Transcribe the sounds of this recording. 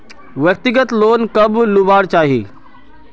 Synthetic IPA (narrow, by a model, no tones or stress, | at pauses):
ʋɐk̚t̪ɪɡət̪loːnkɐblubaːɽt͡ʃaːɦḛː